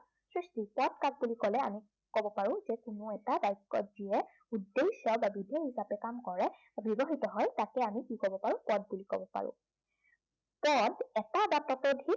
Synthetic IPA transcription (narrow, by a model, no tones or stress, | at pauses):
sɹistipɔt̚kak̚bulikɔlɛa̰mi | kɔbɔpaɹʊ̃zɛkʊnʊɛtadajkːɔ̰tziɛ | udːesɔbabidʱjɔɦizapɛkamkɔɹɛ | bibɔxitɔɦɔjtakɛamikikɔbɔpaɹʊ̃pɔt̚bulikɔ̰bɔpa̰ɹʊ̰̃ | pɔtɛtabatɔtɔdʱi